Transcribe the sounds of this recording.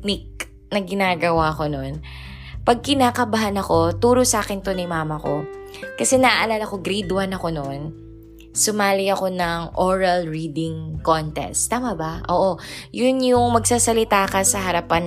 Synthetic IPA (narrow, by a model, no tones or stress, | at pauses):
nɪk̚ | nɐɡɪnaːɡɐwaɐko̞no̞n | pɐɡ̚kɪnaːkɐbɐɦanɐko̞t̪uːɾosʔaːkɛnt̪o̞nɐmaːmɐko̞kɐsɛnɐʔʔɐlalɐko̞ɡɾid̪wɐnɐko̞non | sʊmaːlɪɐko̞nɐŋʔoɹɐlɹiːd̪ɪŋkont̪ɛ̰st̪ːaːmɐbɐʔo̞̰ːʔojʊnjʊŋmɐɡ̚saːsɐlɪt̪aːkɐsɐɦɐɾɐpan